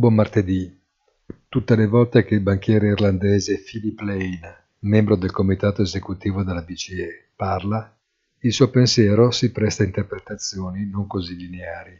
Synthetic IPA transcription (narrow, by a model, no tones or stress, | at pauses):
bomart̪ed̪i | t̪ut̪ːelevɔlt̪ek̟eilbaŋk̟jɛːɾeirland̪eːzefilipːlɛjn | membɾod̪elkomit̪aːt̪oezekut̪iːvod̪elːabit͡ʃiɛ | parla | ilsuːopensjɛːɾosipɾɛst̪aint̪erpɾet̪at̪sːjoːninoŋkozilineaːɾi